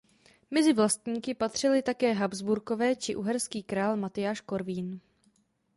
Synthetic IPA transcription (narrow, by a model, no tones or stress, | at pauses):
mɛzɪvlast̪ɲiːkɪpat̪r̝̥ɪlɪt̪akɛːɦabzbuɾko̞vɛːt͡ʃɪʔuɦɛɾskiːkɾaːlmat̪ɪjaːʃko̞ɾviːn